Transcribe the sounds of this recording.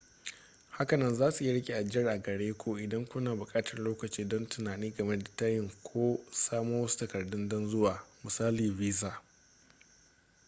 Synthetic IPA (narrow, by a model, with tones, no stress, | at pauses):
ha˦kɐ˨nɐ˦nzaː˦su˨ja˦ɽɪ˦kʲe˨ʔa˨d͡ʒɪ˦jɐ˦rʔa˨ɡɐ˨ɽeː˦kʷʰo˦ʔɪ˨dɐ˦ŋkʷʊ˦naː˨bʊ˨kʼaː˦tʰɐ˨rloː˦kɐ˨t͡ʃiː˦dɔ˦ntʊ˨naː˨niː˦ɡɐ˨mɛ˦da˨ta˦jɪ˦ŋkʷʰoː˦saː˦moː˦wɐ˦su̥˦tɐ˨kɐ˨rdʊ˦ndɔ˦nzʊ˦waː˨mʊ˨saː˦liː˨viː˦zaː˨